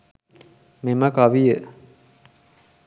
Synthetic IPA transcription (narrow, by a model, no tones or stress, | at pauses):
memɐkaʋijə